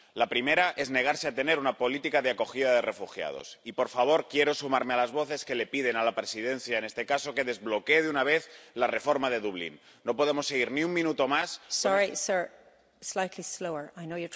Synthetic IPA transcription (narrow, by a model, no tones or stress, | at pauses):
lapɾime̞ɾaʔe̞zne̞ɣ̞aɾseat̪e̞ne̞ɾunapo̞lit̪ikaðeako̞xiðað̞ere̞fuxja̰ð̞o̰sipo̞ɾfaβ̞o̞ɾkje̞ɾo̞sumaɾmealazβo̞θe̞ske̞le̞piðe̞nalapɾe̞siðẽ̞n̟θjaene̞st̪e̞kaso̞ke̞ðe̞zβlo̞keðunaβ̞e̞θlare̞fo̞ɾmaðe̞ðuβ̞lḭnː | o̞po̞ð̞e̞mo̞sːeɣ̞iɾniummĩnut̪o̞massɔɹisɜ˞ | slajtlisloʊə˞ajnoʊjə